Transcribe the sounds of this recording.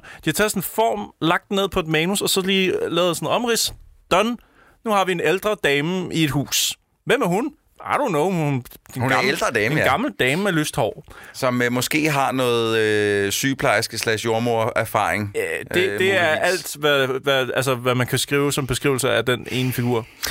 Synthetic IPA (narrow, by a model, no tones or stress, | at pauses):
d̥it͡sʰɑ̰sɔnfɒ̰ːmlɑ̈ɡ̥̚d̥ne̝ð̰ˠpʰɒe̝d̥mɛːnusɒ̽sɒ̽liːlɛːʊð̥ˠesn̩ˠɒ̽mʁisd̥ɒn | nuhɑ̈ʋie̝neld̥ʁɐd̥ɛːməie̝d̥ɦṵːs | ʋemæɐɦun | ɑ̰ɾunoʊund̥enɡ̥ɑ̈mld̥ʁɐdɛːmɡ̥ɑ̈ml̩d̥ɛːməmeløsd̥hɒ̰ʊ̰sɒ̽mmɔ̽sɡ̥e̝̰ːɦɑ̈nɔ̽ːð̩ˠøsyːpʰlɑ̈ɪsɡ̥əslæɪsjo̝ɐmoɐ̰æɐfɑ̰̈ːʁeŋd̥ed̥e̝æɐʔæl̰d̥ʋæʋæælsəʋæmænkʰæsɡ̥ʁḭːʊsɒ̽mb̥e̝sɡ̥ʁḭʊl̩sɐæd̥ene̝ːnəfiɡ̥uɐ̰